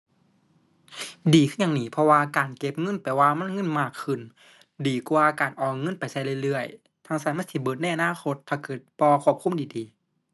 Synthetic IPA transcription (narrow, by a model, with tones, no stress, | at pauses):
diː˨˩kʰɯ˧˥˨ɲa˧˨ŋniː˧˩pʰɔ˧waː˧kaː˨˩nke˧˥p̚ŋɤ˧˥˨npaː˨˩waː˧ma˧˥˨nŋɤ˧˥˨nmaː˧˩kʰːɯ˧˩˨n | diː˨˩ku˧aː˧kaː˨˩nʔɔː˨˩ŋɤ˧˥˨npa˨˩jsa˧˩jlɯ˧ə˨jlɯ˧˩əj | t̪ʰa˧˥˨ŋsaː˧˩nma˧˥˨sʰiː˧˩bɤː˧˩t̪na˧˨jʔa˧naː˧˥˨xʰo˧˥t̪̚pʰa˧kɯː˨˩t̪̚pɔː˧kʰu˧˩ə˩p̚kʰu˧˥˨mdiː˨diː˨